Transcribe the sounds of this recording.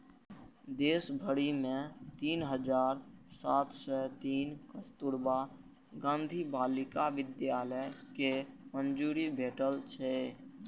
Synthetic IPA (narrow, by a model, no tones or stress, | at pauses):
d̪eːsbʱəɽimẽt̪iːnɦəd͡ʒaːɾsaːt̪ʰsɛt̪iːnkəst̪uɾba | ɡãːnd̪ʱibaːlɪkaʋɪd̪jaːləjkemənd͡ʒuːɾibʱeːʈəlt͡ʃʰɛ